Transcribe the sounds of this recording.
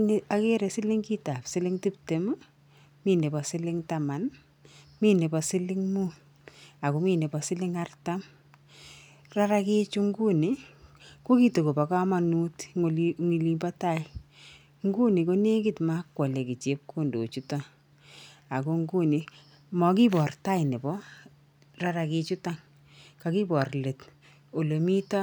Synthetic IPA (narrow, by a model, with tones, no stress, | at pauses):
n˦a˨ke˦ɾɛ˨sɪ˦lɪ˦ŋki˦ta˨psɪ˦lɪ˦ŋti˦p̚te˨ma˦ | miː˦ne˨pɔ˨sɪ˦lɪ˦ŋta˨ma˨n | mi˦ne˨pɔ˨sɪ˦lɪ˦ŋmu˦ | a˨ko˦miː˦ne˨pɔ˨sɪ˦lɪ˦ŋa˦rta˦m | ra˦ɾa˦kɪ˦t͡ʃu˦ŋɡu˦ni˨ko˦ki˦to˨ko˨pa˨ka˦ma˨nu˦tŋi˨li˦mba˦ta˦j | ŋɡu˦ni˨ko˦ne˦ki˦tma˦kːwa˨le˨ki˨t͡ʃe˦p̚ko˦ndo̰˨t͡ʃu˦ta˦ | a˨ko˦ŋɡu˦ni˨ | mɔ˨ki˦bɔ˨rta˦jne˨bɔ˦ | ra˦ɾa˨ke˦t͡ʃu˦ta˦ŋ | ka˦ki˦bɔ˨rle˨t | o˨lo˨mi˦ta˦